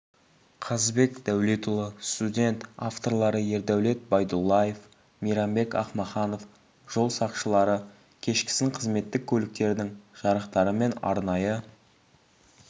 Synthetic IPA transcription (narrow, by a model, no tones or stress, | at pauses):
qʰɑzbe̞kd̪æwlet̪ulˠəst̪udʲe̞nt̪aft̪o̞ɾlˠɑɾəje̞ɾd̪æwle̞t̪̚bɑjd̪ulˠːɑje̞f | mijɾɑmbe̞kɑ̰χmɑχɑno̞f | ʒ̥o̞lˠsɑqʃəlˠɑɾə | kʲʰe̞ʃkʲɪ̥sɪŋqʰəzme̞t̪ːɪkʲʰːɵlɪk̚t̪e̞ɾd̪ɪŋʒ̥ɑɾəqt̪ɑɾəme̞nɑ̰ɾnɑjə